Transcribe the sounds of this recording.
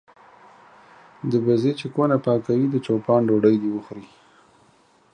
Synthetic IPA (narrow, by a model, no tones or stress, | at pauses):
d̪əbazet͡ʃekonapɑkawid̪ət͡ʃopɑɳɖoɖəjd̪iwəxɾi